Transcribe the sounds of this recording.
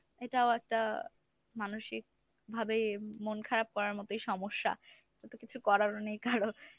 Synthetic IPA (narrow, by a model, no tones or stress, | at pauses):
eʈaoɛk̚ʈa | manoʃik̚ | bʱabejmonkʰaɾab̚kɔɾaɾmɔt̪ojʃɔmoʃːa̰ | ʈat̪okit͡ɕʰukɔɾaɾonejkaɾo